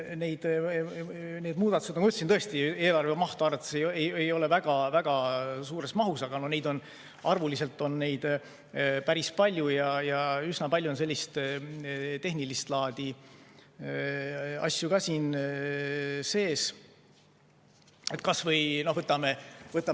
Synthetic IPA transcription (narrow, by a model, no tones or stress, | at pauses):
ne̞jd̪̥ | neːd̪muːd̪̥ɑt̪u̥senɑmyt̪ːesnɤest̪ie̞ːlɑrvemɑht̪oɑrɑt̪ːˑe̥sejejejo̞levæɡ̥ɑvæɡ̥ɑsuːɾe̞smɑɦusɑɡ̥ɑno̞hne̞jd̪o̞n | ɑrvulise̞lt̪ːˑo̞nːe̞jd̪̥ | pæɾispɑlʲjujɑjɑysnɑpɑlʲjuonse̞lʲːist̪ | t̪e̞ɦnilist̪lɑːd̪̥i | ɑ̰sʲːjuɡ̥ɑsiːn | se̞ːs | et̪̚ːˑkɑsvɤjno̞hvɤt̪ːˑɑmevɤt̪ːˑɑ